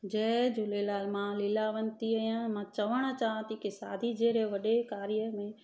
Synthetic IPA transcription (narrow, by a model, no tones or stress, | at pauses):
d͡ʒeːd͡ʒʊlelaːlmãlɪlaʋənt̪iəjãmãt͡ʃəʋəɽ̃t͡ʃaːãt̪ikisaːd̪ʱid͡ʒeːɾeʋəɗekaːɾɪjəbe